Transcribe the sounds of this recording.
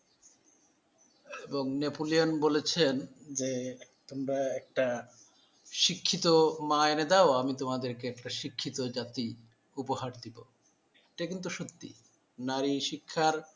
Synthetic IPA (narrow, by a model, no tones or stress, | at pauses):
eboŋnepolionbolet͡ɕʰend͡ʑet̪omɾaɛk̚ʈa | ʃikʰːit̪omaened̪aoamit̪omad̪eɾkeɛkʈaʃikʰːit̪od͡ʑat̪i | upohaɾd̪ibo̰ | eʈakint̪̬uʃot̪ːḭ | naɾiʃikʰːaɾ